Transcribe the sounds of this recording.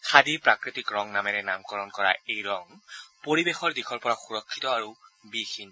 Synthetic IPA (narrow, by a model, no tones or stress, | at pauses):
kʰadipɹakɹitikɹɔŋnamɛɹɛnamkɔɹɔnkɔɹaejɹɔŋpoɹibexɔɹdixʰɔɹpɔɹaxuɹɔkʰːitɔaɹubixin